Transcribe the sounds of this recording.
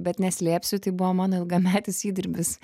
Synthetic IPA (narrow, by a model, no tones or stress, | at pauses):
bʲɛt̪nʲɛsʲlʲeːpʲsʲʊt̪ɐɪbʊʋomɑːnoːɪlˠɡɐmʲæːt̪ʲɪsiːd̪ʲɪɾʲbʲɪs